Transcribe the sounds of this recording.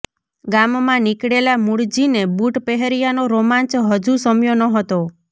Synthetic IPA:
ɡammãnikɽelamuɽd͡ʒinebuʈpɛɦeɾijanoɾomant͡ʃɦəd͡ʒusɔmjonɔɦɔt̪o

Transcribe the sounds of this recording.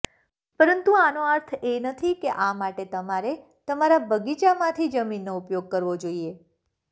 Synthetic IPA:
pəɾənt̪uanoəɾt̪ʰenət̪ʰikeʔamaʈet̪əmaɾe | t̪əmaɾabʱəɡit͡ʃamãt̪ʰid͡ʒəminːoupjoɡ̚kəɾʋod͡ʒoie

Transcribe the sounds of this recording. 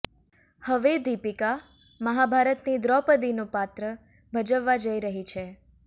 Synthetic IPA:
həʋed̪ipika | məɦabʱaɾət̪nid̪ɾɔpəd̪inũpat̪ɾə | bʱəd͡ʒəʋːad͡ʒəiɾəɦit͡ʃʰe

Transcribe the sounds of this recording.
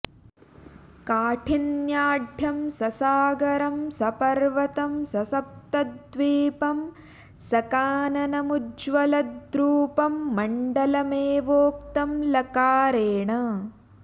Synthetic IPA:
kaːʈʰinjaːɖʱjɐmsɐsaːɡɐɾɐmsɐpɐɾʋɐt̪ɐmsɐsɐp̚t̪ɐd̪ʋiːpɐm | sɐkaːnɐnɐmud͡ʒʋɐlɐd̪ɾuːpɐmːɐɳɖɐlɐmeːʋoːkt̪ɐmlɐkaːɾeːɳɐ

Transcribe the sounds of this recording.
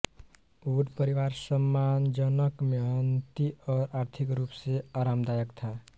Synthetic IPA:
uɖpəɾiʋaɾsəmːand͡ʒənəkmeɦənt̪iɔːɾaɾt̪ʰikɾupseaɾamd̪ajəkt̪ʰa

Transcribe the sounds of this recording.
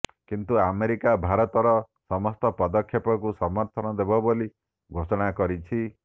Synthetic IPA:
kint̪uameɾikabʱaɾɔt̪ɔɾɔ | sɔmɔst̪ɔpɔd̪ɔkʰjɔpɔkusɔmɔɾt̪ʰɔnɔd̪ebɔboli | ɡʱosɔɽ̃akɔɾit͡ʃʰi

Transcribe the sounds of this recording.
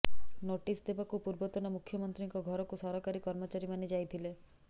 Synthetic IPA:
noʈisd̪ebakupuɾbɔt̪ɔnɔmukʰːjɔmɔnt̪ɾiŋkɔɡʱɔɾɔkusɔɾɔkaɾikɔɾmɔt͡ʃaɾimaned͡ʒajt̪ʰile

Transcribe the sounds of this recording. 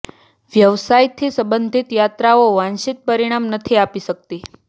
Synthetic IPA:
ʋjəʋsajt̪ʰisəbənd̪ʱit̪jat̪ɾaoʋãnʃit̪̚pəɾiɽ̃amnət̪ʰiapiʃək̚t̪i

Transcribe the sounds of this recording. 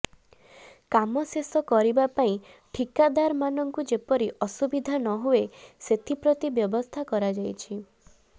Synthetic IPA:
kamɔsesɔkɔɾibapaĩ | ʈʰikad̪aɾmanɔŋkud͡ʒepɔɾiʔɔsubid̪ʱanɔɦueset̪ʰipɾɔt̪ibjɔbɔst̪ʰakɔɾad͡ʒajt͡ʃʰi

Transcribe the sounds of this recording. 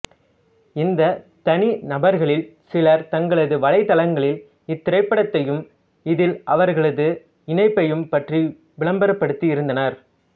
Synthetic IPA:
ɪnd̪ɐt̪ɐninɐbɐɾɣɐɭɪlsɪlɐɾt̪ɐŋɡɐɭɐðɯʋɐlɐɪt̪ːɐlɐŋɡɐɭɪl | ɪt̪ːɪɾɐɪpːɐɽɐt̪ːɐjɯm | ɪðɪlʔɐʋɐɾɣɐɭɐðɯ | ɪɳɐɪpːɐjɯmpɐʈri | ʋɪɭɐmbɐɾɐpːɐɽɯt̪ːiɪɾɯnd̪ɐnɐɾ

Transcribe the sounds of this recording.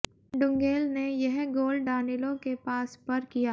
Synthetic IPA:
ɖʊ̃ŋɡeːlnejɐɦɡoːlɖɖaːnɪlõkepaːspɐɾkijaː

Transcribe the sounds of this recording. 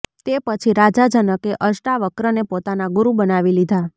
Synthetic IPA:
t̪epət͡ʃʰiɾad͡ʒad͡ʒənəkeʔəʃʈaʋəkɾənepot̪anaɡuɾubənaʋilid̪ʱa

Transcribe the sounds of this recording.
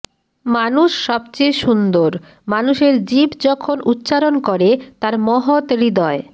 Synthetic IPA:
manuʃːɔbt͡ɕejʃund̪oɾ | manuʃeɾd͡ʑibd͡ʑɔkʰonʔut̪ːɕaɾonkoɾet̪aɾmɔɦot̪ɾid̪ɔe

